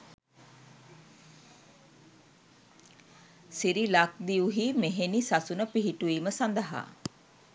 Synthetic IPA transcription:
siɾilak̚d̪iuɦimeɦenisasunəpiɦiʈuiːməsand̪əɦa̰

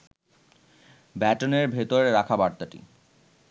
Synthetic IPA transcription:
bɛʈoneɾbʱet̪oɾeɾakʰabaɾt̪aʈḭ

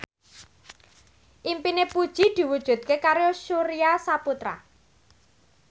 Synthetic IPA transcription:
ʔimpinepud̥ʒ̥i̤d̪̥i̤wud̥ʒ̥ṳd̪̚kekaɾoʃuɾiasaput̪ɾa̰

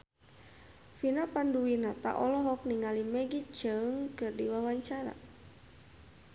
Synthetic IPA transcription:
finapanduwinat̪a̰ʔɔlɔɦɔk̚niŋalimɛɡit͡ʃəŋkɨrdiwawaɲt͡ʃaɾa̰

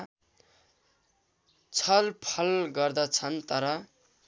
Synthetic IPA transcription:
t͡sʰʌlpʰʌlɡʌrd̪ʌt͡sʰʌnt̪ʌɾʌ

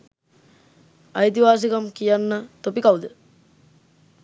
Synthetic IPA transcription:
ɐjt̪iʋaːs̬ikɐmkijanːət̪opikawd̪ə

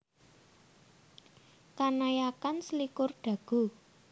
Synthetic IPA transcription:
kanajakanslikʊrɖ̥ä̤ɡ̥ṳ

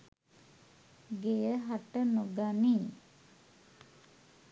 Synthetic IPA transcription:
ɡejəɦaʈənoɡani

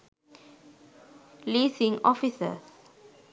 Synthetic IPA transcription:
lisĩŋɔfisə̰s

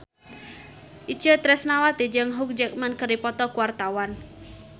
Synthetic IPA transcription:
ʔid̥d͡ʒ̥ət̪ɾɛsnawat̪id͡ʒəŋɦʊk̚d͡ʒək̚mankərdipɔt̪ɔkuwart̪awan

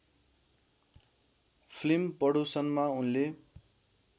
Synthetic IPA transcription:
pʰlimpʌɽusʌnmaunle

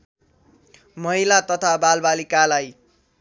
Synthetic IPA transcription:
mʌɦilat̪ʌt̪ʰabalbalikalaj

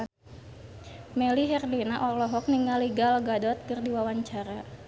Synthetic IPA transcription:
mɛliɦɛrdinaʔɔlɔɦɔk̚niŋaliɡalɡadɔt̪̚kɨrdiwawaɲt͡ʃaɾa

